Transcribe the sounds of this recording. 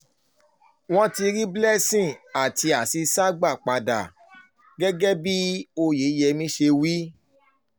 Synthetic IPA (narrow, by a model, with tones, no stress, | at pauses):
w̃ɔ̃˦ti˧ɾi˦blɛ˦sĩ˦˨a˨ti˧a˨si˧sa˦ɡ͡ba˦˨k͡pa˨da̰˨ | ɡɛ˦ɡɛ˦bi˦o˧jeː˨˦jɛ˧mĩ˦ʃe˧wi˦